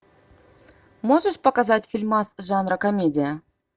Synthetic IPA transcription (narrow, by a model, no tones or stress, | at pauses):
moʐəʂpɐkazɑtʲfʲilʲmɑsʐɑnrəkomʲedʲɪjə